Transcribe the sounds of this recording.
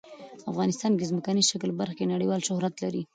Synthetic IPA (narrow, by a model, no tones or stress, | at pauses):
afɣɑnɪst̪ɑnkezməkaniʃaklbaɾxkenaɽiwɑlʃʊhɾat̪laɾi